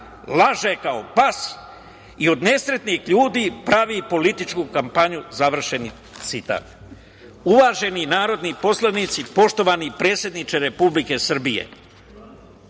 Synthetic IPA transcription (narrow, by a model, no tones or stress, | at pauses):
laʒekaopas | io̞d̪ne̞sɾe̞t̪nixʎuːd̪iːpɾaʋipo̞lit̪it͡ʃkukampaɲuzaʋr̩ʃe̞ni | t̪sit̪a̰ːt̪ | uʋaːʒe̞ninaːɾo̞d̪nipo̞slanit̪sipo̞ʃt̪o̞ʋanipɾeːt̪sje̞d̪nit͡ʃeɾe̞publike̞sr̩bijḛ